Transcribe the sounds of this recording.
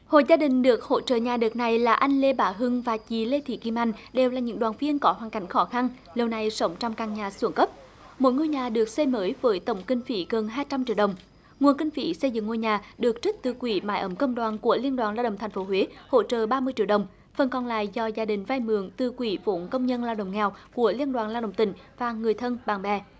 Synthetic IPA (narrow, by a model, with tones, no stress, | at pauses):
ho̰˧˨jzaː˧ɗï˨˩ŋ̟ɗɨ˨˩ək̚ho̰˧˥t͡ɕə̰ː˧˨ɲaː˨˩ɗɨː˨˩t̚na˨˩jlaː˨˩ʔa˧jŋ̟le˧ɓaː˨˦ɦɨ˧ŋvaː˨˩t͡ɕi˨˩le˧t̪ʰḭ˧˩ki˧mʔa˧jŋ̟ɗe˨˩wlaː˨˩ɲɨ̰˧˥ŋɗwaː˨˩nvi˧ənkɔ˨˦ɦwaː˨˩ŋka˨˦jŋ̟xɔ˨˦xa˧n | lə˨˩wna˨˩jsə˨˦wŋ͡mt͡ɕɔ˧wŋ͡mkaː˨˩ŋɲaː˨˩su˧˩ənkə˦˥p̚ | mo̰˨˧˦jŋo˧jɲaː˨˩ɗɨ˨˩ək̚se˧məː˨˦jvəː˨˦jt̪ə˧˩wŋ͡mkï˧ŋ̟fḭ˧˩˦ɣə˨˩nɦaː˧jt͡ɕa˧mt͡ɕḭ˧˨əwɗə˨˩wŋ͡m | ŋwənkï˧ŋ̟fḭ˧˩˦sə˧jzɨ̰˧˨ŋːo˧jɲaː˨˩ɗɨ˨˩ək̚t͡ɕi˦˥k̚t̪ɨ˨˩kwi˧˨˦maː˧˦jʔə˨˦mkə˧wŋ͡mɗwaː˨˩nku˧˩əli˧ənɗwaː˨˩nlaː˧wɗə̰˧˨wŋ͡mt̪ʰŋ̟fo˨˦ɦwe˨˦ho̰˧˥t͡ɕə̰ː˧˨ɓaː˧mɨ˧ət͡ɕi˧əwɗə˨˩wŋ͡m | fə˨˩nkɔ˨˩nla̰ː˧˨jzɔ˧zaː˧ɗï˨˩ŋ̟vaː˧jmɨ̰˧˨əŋt̪ɨ˨˩kwi˧˩˦vo˨˦nkə˧wŋ͡mɲə˧nlaː˧wɗə̰˧˨wŋ͡mŋɛ˨˩wku˧˩əli˧ənɗwaː˨˩nlaː˧wɗə̰˧˨wŋ͡mt̪ï˧˩ŋ̟vaː˨˩ŋɨ˨˩əjt̪ʰə˧nɓaː˨˩ŋɓɛ˨˩